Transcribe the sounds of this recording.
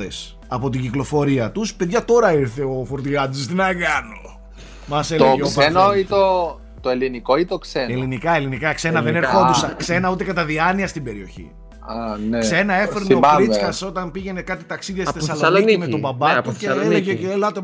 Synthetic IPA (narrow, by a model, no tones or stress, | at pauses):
es | ɐpot̪̬iɟiklo̞fo̞ɾiɐt̪uspeðʝɐt̪o̞ɾɐiɾθe̞ofoɾt̪iɣɐt̪usst̪inɐkɐno | mɐset̪eʝeosenoit̪o | t̪oelinikoit̪okseelinikɐelinikɐkse̞nɐðeneɾxod̪sɐksenɐut̪e̞kɐt̪ɐðiɐniɐst̪ibe̞ɾio̞çḭ | ɐnekse̞nɐe̞feɾneoɾit͡skɐso̞t̪ɐmpiʝe̞ne̞kɐt̪it̪ɐksiðiɐsiθesɐloniiimet̪obɐbɐt̪uceeleʝeelɐt̪e